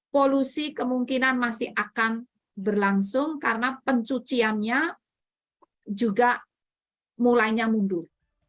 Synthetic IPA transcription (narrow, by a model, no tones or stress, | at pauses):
polusikəmuŋkinanmasɪhʔakan | bərlaŋsʊŋkarənapəɲt͡ʃut͡ʃianɲa | d͡ʒuɡaʔ | mulajɲamundʊr